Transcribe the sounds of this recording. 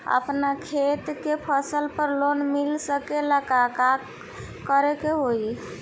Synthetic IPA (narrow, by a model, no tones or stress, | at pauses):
ə̰pnakʰet̪kepʰəsəlpəɾlonmilsəkeləkaka | kəɾekeɦoj